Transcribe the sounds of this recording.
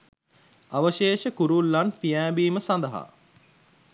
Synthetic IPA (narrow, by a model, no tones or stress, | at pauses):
aʋəʃeːʃəkuɾulːanpijæːbiːməsand̪əɦa̰